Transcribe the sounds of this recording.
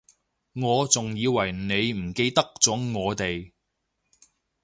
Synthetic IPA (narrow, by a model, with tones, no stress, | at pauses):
ŋɔː˨˧t͡sʊ˨ŋjiː˨˧wɐ˨˩jne˨˧jm̩˨˩ke˧jt̪ɐ˥k̚t͡sɔː˨˥ŋɔː˨˧t̪e˨j